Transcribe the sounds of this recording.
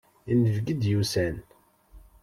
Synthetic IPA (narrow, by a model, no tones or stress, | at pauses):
inːəvɡəd̪jusæn